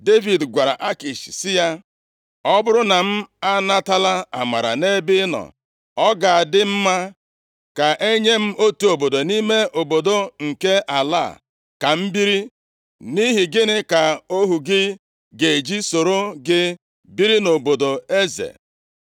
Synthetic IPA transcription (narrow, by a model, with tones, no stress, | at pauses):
de˦vi˨dɡʷa˨ɾa̰˨ʔa˦ki˨ʃi̥˨sɪ˦ja˦ | ɔ˦bʊ˦ɾʊ˦na˨m̩˦a˦na˦ta˦la˦a˨ma˨ɾa̰˨ne˦bɪ˦nɔ̰˨ | ɔ˦ɡa˨a˨dɪ˦m̩˦ma˦ | ka˨ʔe˦ɲe˦m̩˦o˦tu˨o˨bo˨do˨ni˦me˦ʔo˨bo˨do˦ŋ̩˨ke˦a˨la̰ː˦˨ | ka˨m̩˦bi˦ɾi˦ | ni˦ɦi˨ɡɪ˦nɪ˦ka˨o˦ɦu˨ɡɪ˦ | ɡe˨d͡ʒi˦so˨ɾo˦ɡɪ˦ | bi˦ɾi˦no˨bo˨do˨e˦zḛ˨